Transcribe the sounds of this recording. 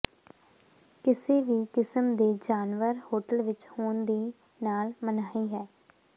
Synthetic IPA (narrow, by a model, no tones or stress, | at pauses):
kɪseːʋiːkɪsəmd̪eːd͡ʒaːnʋəɾhoːʈəlʋɪt͡ʃhoːnd̪iː | naːlmənaːiːɦɛː